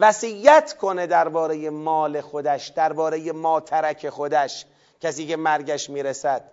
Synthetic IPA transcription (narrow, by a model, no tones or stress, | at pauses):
væsijːæt̪ʰkʰo̞ned̪æɾbɒːɾejemɒːle̞xod̪æʃd̪̥æɾbɒːɾejemɒːt̪ʰæɾækʰe̞xod̪æʃ | cʰæsiːce̞mæɾɡæʃmiːɾesæd̪̥̚